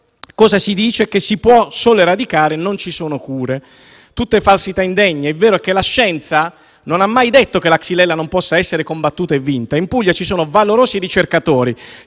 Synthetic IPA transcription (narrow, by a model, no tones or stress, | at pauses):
kɔːzasid̪iːt͡ʃekesːipwɔsoːleɾad̪ikaːɾenont͡ʃisoːnokuːɾe | t̪ut̪ːefalsit̪aind̪ɛɲːeɛvːeːɾoɛk̟ːelaʃːɛnt̪sa | nonamːajd̪et̪ːokelaksilɛlːanompɔsːaɛsːeɾekombat̪ːuːt̪aevːint̪aimpuʎːat͡ʃisoːnovaloɾoːsiɾit͡ʃerkat̪oːɾi